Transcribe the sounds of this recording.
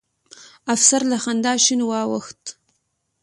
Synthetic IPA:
afsaɾlaxand̪ɑʃinwɑwə̰xt̪

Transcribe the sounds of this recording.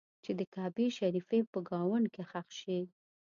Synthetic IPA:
t͡ʃed̪əkɑbiʃaɾifepəɡɑwʊɳɖkexaxʃi

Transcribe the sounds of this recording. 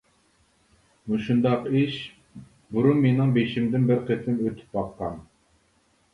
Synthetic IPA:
muʃund̪ɑqiʃ | buɾunmenɪŋbeʃimd̪ɪnbɪɾqʰet̪ʰɪmøt̪ʰɪ̥p̚bɑqːɑn

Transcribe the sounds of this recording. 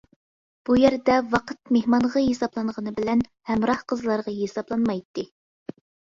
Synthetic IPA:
b̥ujæɾd̪ɛwɑqʰət̪̚mehmɑɴʁɑjesɑblˠɑnʁənɨbɪlɛnhɛmɾɑhqəzlˠɑɾʁɑjesɑblˠɑnmɑjt̪ːɨ

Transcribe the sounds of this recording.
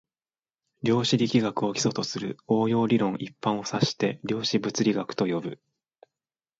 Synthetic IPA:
ɾʲo̞ːɕiɾʲikʲiɡakɯ̟o̞kʲi̥so̞t̪o̞sɨɾɯ̟o̞ːjo̞ːɾʲiɾõ̞ŋ̃ʔipːãɰ̃o̞saɕi̥t̪e̞ɾʲo̞ːɕibɯ̟t͡sɨɾʲiɡakɯ̟̥t̪o̞jo̞bɯ̟

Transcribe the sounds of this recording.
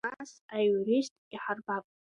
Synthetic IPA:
asajuɾistʼiħarbakʷʼ

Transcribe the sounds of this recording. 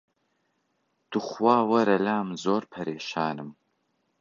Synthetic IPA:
d̥uχʷwaːwɐɾɐlaːmzoːrpʰɐɾeːʃaːnɨm

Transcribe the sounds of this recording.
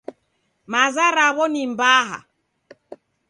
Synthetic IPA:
mazaɾaβɔnimbaɦa̰

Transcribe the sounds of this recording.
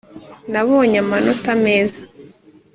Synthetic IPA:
naβo̞ːɲamanotame̞ːzḁ

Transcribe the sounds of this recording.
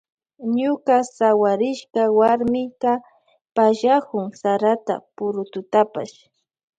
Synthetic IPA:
ɲʊkasawaɾɪʃkawaɾmɪka | paʃakʊŋsaɾat̪a̰pʊɾʊt̪ʊt̪apa̰ʃ

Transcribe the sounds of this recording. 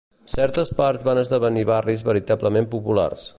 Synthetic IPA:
sɛɾt̪əspaɾzβanəzðəβ̞əniβarizβəɾit̪abləmempupula̰rs

